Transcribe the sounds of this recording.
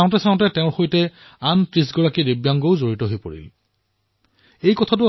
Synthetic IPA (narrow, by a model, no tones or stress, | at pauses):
aʊ̃tɛsaʊ̃tɛtɛ̃ʊ̃ɹxojtɛ | anpɹis̬ɡɔɹakiɹebjaŋɡoʊzoɹitɔɦojpo̰ɹḭl | ejkɔtʰatʊ